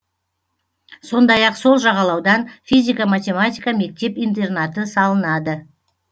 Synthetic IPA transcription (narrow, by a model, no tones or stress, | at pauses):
so̞nd̪ɑjɑqso̞lˠʒɑʁɑlˠɑwd̪ɑnfʲijzʲijkamat̪ʲe̞mat̪ʲijkame̞k̚t̪e̞pijnt̪̬e̞rnat̪əsɑlˠənɑd̪ə